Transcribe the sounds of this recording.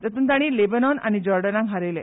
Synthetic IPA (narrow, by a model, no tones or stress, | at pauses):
t̪ət̪unt̪aɽ̃iːlebənɔna̰nid͡ʑɔɾɖənaɡʱaɾele